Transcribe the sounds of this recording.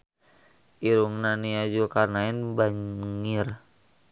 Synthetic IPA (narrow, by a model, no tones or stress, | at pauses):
iɾuŋnaniad͡ʒukarnaɪnbaŋir